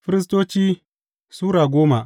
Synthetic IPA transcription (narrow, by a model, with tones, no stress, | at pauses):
ɸɪ˦ɾɪ˦s̬toː˦t͡ʃiː˦ | suː˦ɾaː˨ɡʷoː˦ma˨